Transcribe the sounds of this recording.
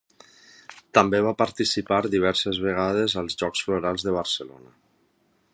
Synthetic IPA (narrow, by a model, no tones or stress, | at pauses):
t̪əmbeβ̞apəɾt̪isipaɾðiβ̞ɛɾsezβeɣ̞að̞ezəlˠzʒɔksfloɾalˠzðəβ̞əɾsəlo̰nə